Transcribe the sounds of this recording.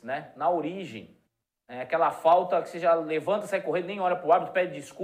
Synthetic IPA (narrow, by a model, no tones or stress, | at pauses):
nɛnɐoɾiʒẽj̃ | ɛakɛlɐfawt̪ɐkɪ̥seʒalevɐ̃nt̪ɐsɛɡɪkoɦẽd̪ɐnẽj̃ɔɾɐpɾʊabit̪ʊ̥pɛd͡ʒɪd͡ʒisku